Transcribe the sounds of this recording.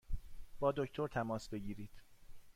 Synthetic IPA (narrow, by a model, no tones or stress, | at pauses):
b̥ɒːd̪o̞cʰt̪ʰo̞ɾt̪ʰæmɒːsbe̞ɟiːɾiːd̪̥